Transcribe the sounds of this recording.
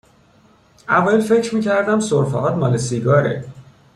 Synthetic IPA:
ʔævɒjelfe̞cʰɾmiːcʰæɾd̪æmsoɾfæ̰ɦɒːt̪mɒːlesiɡɒːɾḛ

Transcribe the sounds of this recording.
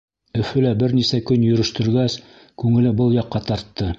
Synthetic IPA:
ɵ̆fɵlæbɘɾnisækɵnjɵ̆ɾɵ̆ʃt̪ɵ̆ɾɡæs | kʉŋɘ̆lɘbɤlˠjɑqːɑt̪ɑɾt̪ːɤ

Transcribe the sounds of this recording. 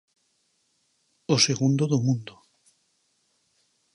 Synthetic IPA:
oseɣund̪oðomũnd̪o

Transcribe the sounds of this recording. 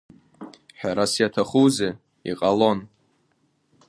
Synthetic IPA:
ħᶣaɾasjatʰaχuze | ḭqʼalo̞n

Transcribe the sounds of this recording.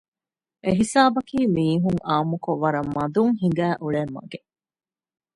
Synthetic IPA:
ʔeɦisaːbɐkiːmiːɦuŋaːmukoʋːɐɾɐmːɐd̪uŋɦiŋ̆ɡæːʔuɭemːɐ̰ɡe

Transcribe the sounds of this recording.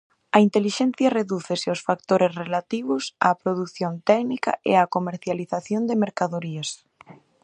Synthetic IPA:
ɐint̪eliʃɛn̟θjareðuθeseosfakt̪oɾʔesrelat̪iβ̞ʊsaːpɾoðuθjont̪ɛknika̰ʔḛakomeɾθjaliθaθjond̪emeɾkaðoɾias

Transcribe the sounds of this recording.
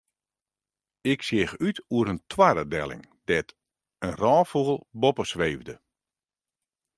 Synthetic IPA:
ɪksjɪxytuəɾəntʰwadədɛ̰lˠɪ̰ŋd̥ɛt | ənrɔːfuəlˠbɔpəsʋeːvdə

